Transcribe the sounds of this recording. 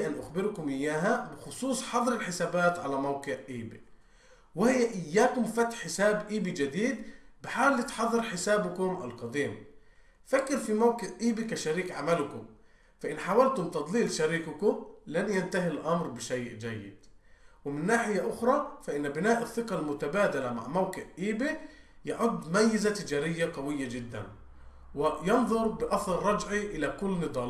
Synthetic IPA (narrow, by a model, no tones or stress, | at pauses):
ʔanʔaxbɪɾkʊmʔɪjːaːɦabɪxʊsˤuːsˤħɑðˤɾɪlħɪsaːbaːt̪ʕalamawkɪʕʔiːbḭ | wɪhɪjːaʔɪjːaːkʊmfat̪ħħɪsaːbʔiːbid͡ʒad̪iːd̪bɪħaːwlːit̪ħɑðˤːɨɾħɪsaːbʊkʊmʔa̰lqɑd̪iːm | fakːɪɾfimawkɪʕʔiːbikaʃaɾiːkʕamalkʊm | faʔɪnħaːwalt̪ʊmt̪ɑd̪ˤliːlʃaɾiːkʊkʊlanjant̪aɦilʔɑmɾbɪʃajʔd͡ʒajːɪ̰d̪̥wɪmɪnːaːħɪjaʔʊxɾˤɑfaʔɪnːbɪnaːʔɪθːɪqɑlmʊt̪abaːd̪alama̰ʕmawkɪʕʔiːbi | jaʕʊd̪ːmajːɪzat̪ɪd͡ʒaːɾɪjːaqɑwɪjːad͡ʒɪd̪ːa̰n | wɪjɑnðˤʊɾˤbɪʔɑθˤɑlˤɾˤɑd͡ʒʕiʔɪlakʊlːnɨd̪ˤɑːl